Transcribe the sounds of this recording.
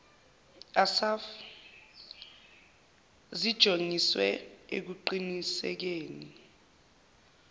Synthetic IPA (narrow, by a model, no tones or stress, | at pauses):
asaf | zid̥ʒ̥ʱoŋiswɛ̰ek̬uǃinisɛ̰k̬eːni